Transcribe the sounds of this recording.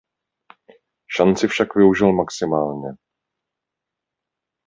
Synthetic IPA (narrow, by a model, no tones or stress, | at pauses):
ʃant͡sɪfʃakvɪuʒɪlmaksɪmaːlɲɛ